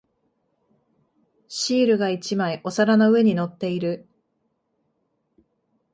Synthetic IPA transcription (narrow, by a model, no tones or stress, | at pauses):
ɕiːɾɯ̟ɡait͡ɕimaiʔo̞saɾano̞ɯ̟e̞ɲ̟ino̞t̪ːe̞iɾɯ